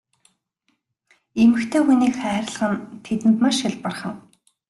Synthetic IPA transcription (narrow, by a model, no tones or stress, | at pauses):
emɘ̆xt̪ʰeːxuniːkχæːɾə̆ɮχə̆nt̪ʰet̪ɘ̆nt̪maʃxɪɮpə̆rχə̆n